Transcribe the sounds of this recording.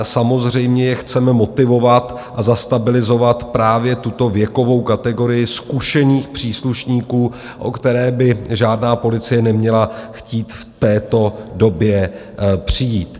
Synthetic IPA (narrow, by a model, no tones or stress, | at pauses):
samo̞zr̝ɛjmɲɛjɛxt͡sɛmɛmo̞t̪ɪvo̞vat̪ | ʔazast̪abɪlɪzo̞vat̪pɾaːvjɛt̪ut̪o̞vjɛko̞vo̞wkat̪ɛɡo̞ɾɪjɪskuʃɛniːxpr̝̥iːsluʃɲiːkuː | ʔo̞̰kt̪ɛɾɛːbɪʒaːdnaːpo̞lɪt͡sɪjɛnɛmɲɛlaxciːt̪ft̪ɛːt̪o̞do̞bjɛ | pr̝̥ɪjiːt̪